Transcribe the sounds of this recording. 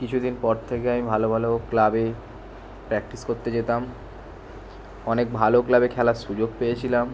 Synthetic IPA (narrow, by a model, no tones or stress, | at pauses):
kit͡ɕʰud̪inpɔɾt̪ʰekeamibʱalobʱaloklabe | pɾɛk̚ʈiskoɾt̪ed͡ʑet̪am | ɔnek̚bʱaloklabekʰɛlaʃud͡ʑoɡ̚pejet͡ɕʰilam